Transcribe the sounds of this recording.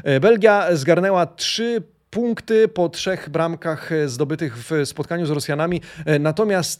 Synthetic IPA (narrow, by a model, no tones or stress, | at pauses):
bɛlɡʲjazɡaɾnɛwatʂɘ | puŋkt̪ɘpɔtʂɛɣbɾamkaxzd̪ɔbɘt̪ɘɣvspɔt̪̚kaɲuzɾɔsʲjanamʲinat̪ɔmʲjast̪